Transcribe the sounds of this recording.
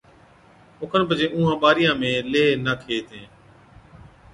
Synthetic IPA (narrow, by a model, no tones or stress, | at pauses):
ʊkʰənpəd͡ʒẽːʔũːɦãːɓaːɾɪjãːmẽːleːnəkʰeːt̪ʰẽː